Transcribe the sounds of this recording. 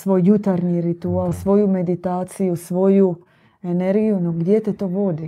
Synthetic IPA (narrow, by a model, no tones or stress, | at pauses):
sʋo̞jːut̪aɾɲiɾit̪ualsʋo̞jume̞d̪it̪aːt̪sijusʋo̞ju | ene̞ɾɡijunoɡd̪je̞t̪et̪o̞ːʋo̞d̪i